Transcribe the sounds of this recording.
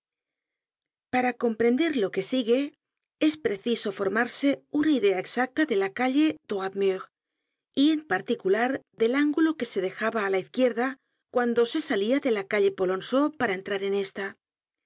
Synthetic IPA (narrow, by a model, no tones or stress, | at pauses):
paɾako̞mpɾe̞nd̪eɾlo̞ke̞siɣe̞ | e̞spɾe̞θiso̞fo̞ɾmaɾse̞unaiðe̞aeksak̚t̪aðe̞lakaʎe̞d̪̥oat̪myʁ | ie̞mpaɾt̪ikulaɾðe̞laŋɡuloke̞se̞ðe̞xaβaːlaiθkje̞ɾða | kwand̪o̞se̞saliaðe̞lakaʎe̞po̞lo̞nso̞paɾae̞nt̪ɾaɾe̞ne̞st̪a